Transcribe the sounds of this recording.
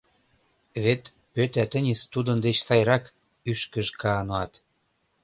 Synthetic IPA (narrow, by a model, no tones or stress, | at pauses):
βet̪ | pøt̪æt̪ə̆nʲest̪ud̪ə̆nd̪et͡ɕsɑjrɑk | yʃkə̆ʒkɑnoɑt̪